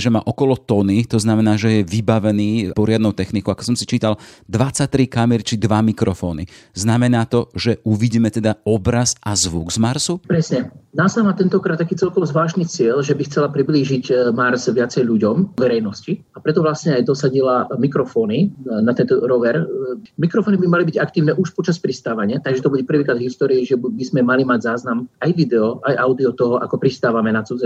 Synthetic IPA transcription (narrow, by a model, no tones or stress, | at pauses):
ʒɛma̰ːʔɔkɔlɔt̪ɔnit̪ɔznamɛnaːʒɛjɛʋibaʋɛniːpɔɾɪad̪nɔʊt̪ɛxnikɔʊakɔ̥sɔmsit͡ʃiːt̪ald̪ʋat͡sac̚t̪ɾikamɛɾt͡ʃid̪ʋamikɾɔfɔːnḭznamɛnaːt̪ɔʒɛuʋiɟiːmɛt̪ɛd̪aɔbɾazazʋuɡzmaɾsupɾɛsɲɛnaːsamaːt̪ɛnt̪ɔkɾat̪t̪ːakiːt͡sɛlkɔʋɔzʋaːʃniːt͡sɪɛʎʒɛbixt͡sɛlapɾibliːʒiɟmaɾzʋɪat͡sɛjʎuɟɔmʋɛɾɛjnɔsciapɾɛt̪ɔʋlasɲɛajd̪ɔsaɟilamikɾɔfɔːninat̪ɛnt̪ɔɾɔʋɛɾmikɾɔfɔːnibimalibiɟakt̪iːʊnɛʔuʃpɔt͡ʃaspɾist̪aːʋaɲɪat̪aɡʒɛt̪ɔbuɟɛpr̩ʋiːkɾaːd̪ɦist̪ɔːɾiiʒɛbizmɛmalimaɟzaːznamajʋid̪ɛɔʔajʔaʊd̪iɔt̪ɔɦɔʔa̰kɔpɾist̪aːʋamɛnat͡sud͡zɛ